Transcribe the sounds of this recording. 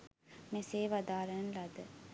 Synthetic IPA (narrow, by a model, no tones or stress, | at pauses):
meseːʋɐd̪aːɾɐnlɐd̪ə